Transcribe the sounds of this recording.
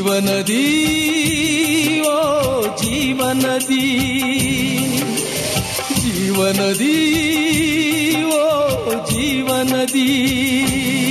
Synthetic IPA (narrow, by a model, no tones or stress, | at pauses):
ʋənəd̪i | ʋod͡ʒiʋənəd̪ʱi | d͡ʒiʋənəd̪ʱi | ʋod͡ʒiʋənəd̪ʱi